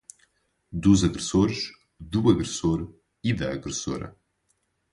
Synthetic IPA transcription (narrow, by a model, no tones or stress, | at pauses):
d̪uzɐɣɾɨsoɾʃ | d̪uɐɣɾɨsoɾ | iðɐːɣɾɨso̰ɾɐ̰